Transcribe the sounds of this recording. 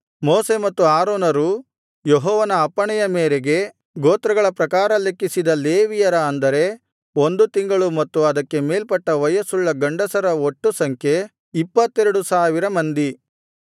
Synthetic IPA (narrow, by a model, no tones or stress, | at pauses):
moːse̞mɐt̪ːuaːɾoːnɐɾu | jeɦɔːʋɐnɐːpːɐɳɛjɐmeːɾeɡe̞ | ɡoːt̪ɾɐɡɐɭɐpɾɐkaːɾɐlekːisid̪ɐleːʋijɐɾɐːnd̪ɐɾe̞ | o̞nd̪ut̪iŋɡɐɭumɐt̪ːuɐd̪ɐkːe̞meːlpɐʈːɐʋɐjɐsuɭːɐɡɐɳɖɐsɐɾɐoʈːusɐŋkʰje̞ | ipːɐt̪ːɛɾɐɽusaːʋiɾɐmɐnd̪i